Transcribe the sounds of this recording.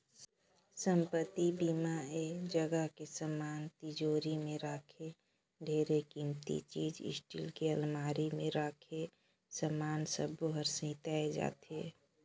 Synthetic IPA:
səmpət̪ibiːmaed͡ʒəɡəɦkesəmaːnt̪ɪd͡ʒoːɾimẽɾaːkʰe | ɖʱeːɾekimt̪ḭt͡ʃiːd͡ʒɪ̰sʈḭlkeəlmaːɾimẽɾaːkʰe | səmaːnsəboɦəɾsĩt̪aːed͡ʒa̰ːt̪eː

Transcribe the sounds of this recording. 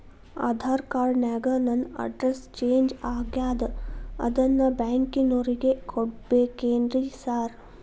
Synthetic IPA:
a̰ːd̪ʱaːɾkaːɾnaːɡɐnɐnɐ̰ɖɾest͡ʃeːɲd͡ʒaːɡjaːd̪ɐɐ̰d̪ɐnːɐbaːŋkinoːɾiɡekʰoɽbeːkeːnd̪ɾisaːɾ

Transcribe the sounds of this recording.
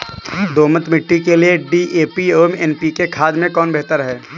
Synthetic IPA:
d̪oːmət̪mɪʈːikelieɖiʔeːpioːɛmɛːnpikekʰaːd̪mẽkɔːnbɛɦt̪əɾɦɛː

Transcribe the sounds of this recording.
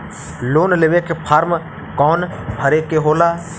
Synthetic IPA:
loːnleʋekepʰaːɾm | kɔːnbʱəɾekeɦoːlaː

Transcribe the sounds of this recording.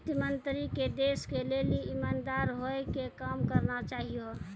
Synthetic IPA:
t̪imənt̪ɾiked̪eskeleliimand̪aɾɦoekekamkəɾnat͡ʃaɦijo

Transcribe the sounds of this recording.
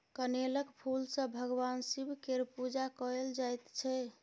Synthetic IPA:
kəneləkpʰulsə̃bʱəɡwansibʱkeɾpud͡ʒakɔeld͡ʒajt̪t͡ʃʰɛ

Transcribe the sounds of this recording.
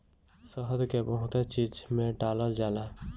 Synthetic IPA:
səɦəd̪kebəɦʊt̪et͡ʃiːd͡ʒmẽɖaːləld͡ʒaːlaː

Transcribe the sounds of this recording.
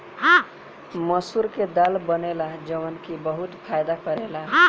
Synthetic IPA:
məsuɾked̪albənelad͡ʒəʋənkibəɦut̪pʰajd̪akəɾela

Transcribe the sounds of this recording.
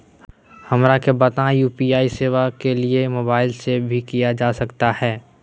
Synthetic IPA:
hɐmɾakebɐt̪ãjuːpiaːiseːʋakeliemoːbaːɪlsebʱikijad͡ʒaːsɐkt̪ahɛː

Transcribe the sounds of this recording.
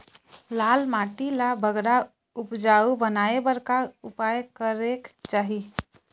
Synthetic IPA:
laːlmaːʈilabʱəɡɾa | ʊpd͡ʒaːubənaːebəɾkaʊpaːjkəɾekt͡ʃaːɦi

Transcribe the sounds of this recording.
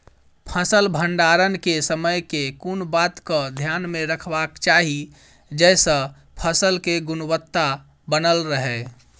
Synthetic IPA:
pʰəsəlbʱəɳɖaɾənkesəməjkekunbat̪kəd̪ʱjanmeɾəkʰbakt͡ʃaɦi | d͡ʒɛsə̃ | pʰəsəlkeɡunwət̪ːa | bənəlɾəɦɛ

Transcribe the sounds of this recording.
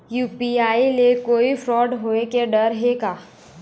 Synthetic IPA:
juːpiaːilekoːifɾɔːɖɦoːekeɖəɾɦeːɡaː

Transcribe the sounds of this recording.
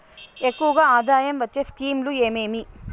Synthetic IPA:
ekːuʋɐɡaːaːd̪aːjɐmʋɐt͡ʃːeːskiːmlue̞ːmeːmi

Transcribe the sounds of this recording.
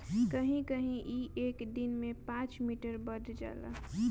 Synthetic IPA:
kəɦĩkəɦĩʔiʔeːkd̪inmẽpãt͡ʃmiːʈəɾbədd͡ʒa̰ːla̰

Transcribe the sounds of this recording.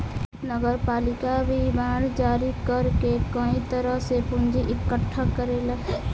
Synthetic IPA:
nəɡəɾpaːlɪkabʱibaːɽd͡ʒaːɾikəɾkekəĩt̪əɾəɦsepʊ̃nd͡ʒiʔɪkːəʈʰːəkəɾelə

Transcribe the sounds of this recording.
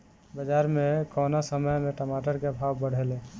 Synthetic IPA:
bəd͡ʒaɾmekɔnasəməjmeʈəmaʈəɾkebʱabbəɽ̤ʱelẽ

